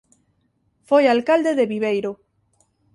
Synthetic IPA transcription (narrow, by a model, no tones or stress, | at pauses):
fojalkald̪eðeβiβejɾo